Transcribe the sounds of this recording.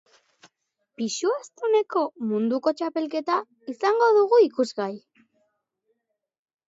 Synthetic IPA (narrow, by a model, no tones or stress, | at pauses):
piʃuast̪ene̞ko̞mund̪uko̞t͡ʃape̞lke̞t̪a | isaŋɡo̞ðuɣuikuzɣaj